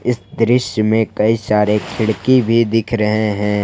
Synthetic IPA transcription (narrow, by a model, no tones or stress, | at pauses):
ɪsd̪ɾɪʃjəmẽkɐisaːɾekʰɪɽkibʱid̪ɪkʰɾɐɦeɦɛ̃ː